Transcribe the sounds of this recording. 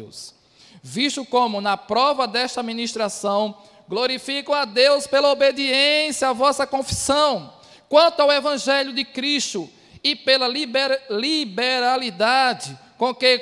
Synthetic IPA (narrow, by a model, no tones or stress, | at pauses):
ṵs | viʃt̪ʊkõmʊnɐpɾɔvɐd̪ɛʃt̪ɐamĩniʃt̪ɾasɐ̃w̃ | ɡloɾifikɐ̃w̃ad̪ewspelɐobed̪iẽsjɐavɔsɐkõfi̥sɐ̃w̃ | kwɐ̃nt̪ʊawevɐ̃ʒɛʎjʊd̪ɪkɾiʃt̪ʊ | ɪpelɐlibelibeɾalid̪ad͡ʒɪ | kõke